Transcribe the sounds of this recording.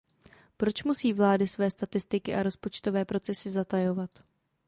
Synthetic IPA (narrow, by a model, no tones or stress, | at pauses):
pɾo̞t͡ʃmusiːvlaːdɪsvɛːst̪at̪ɪst̪ɪkɪʔaɾo̞spo̞t͡ʃt̪o̞vɛːpɾo̞t͡sɛsɪzat̪ajo̞vat̪